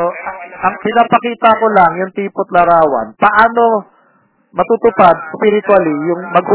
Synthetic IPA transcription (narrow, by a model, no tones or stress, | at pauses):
oʔɐʔɐŋpɪnaːpɐkiːt̪ɐko̞laŋjʊŋt̪iːpot̪̚lɐɾaːwa̰npɐʔaːno̞ | mɐt̪ut̪ʊpad̪̚spɪɾɪt̪walɪjʊŋmɐɡ̚hʊ